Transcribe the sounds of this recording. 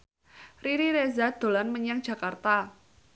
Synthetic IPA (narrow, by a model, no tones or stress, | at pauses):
riɾiɾezad̪̥o̤lanməɲaŋd͡ʒ̥a̤kart̪a